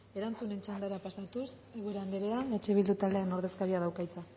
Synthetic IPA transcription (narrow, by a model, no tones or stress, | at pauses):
e̞ɾant͡sune̞nt͡ʃand̪aɾapasat̪us | e̞ɣueɾeand̪eɾe̞ane̞t͡ʃe̞β̞ild̪ut̪ald̪e̞ano̞ɾð̞e̞skaɾiað̞awkajt͡sa